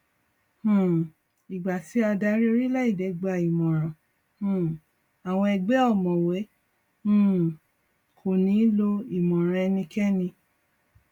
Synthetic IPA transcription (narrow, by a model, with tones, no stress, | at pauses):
hũ˨ | i˨ɡ͡ba˨ti˨˦a˧da˧˦ɾi˦o˦ɾi˦la˦i˦˨dɛ˨˧ɡ͡ba˨i˨mɔ̃˨ɾ̃ã˨ | hũ˦˨ | a˨w̃ɔ̃˧ɛ˧ɡ͡bɛ˨˦ɔ˦˨mɔ̃˨wɛ˨˦ | ũ˦˨ | kʰo˨nĩ˨˦lo˧i˨mɔ̃˨ɾ̃ã˧ɛ˧nĩ˧kɛ˦nĩ˧